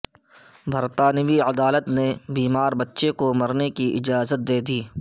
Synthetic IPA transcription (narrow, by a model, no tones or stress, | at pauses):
bʱəɾt̪aːnɪʋiəd̪aːlət̪nebiːmaːɾbɐtːʃekomɐɾnekiʔɪd͡ʒaːzət̪̚d̪eːd̪iː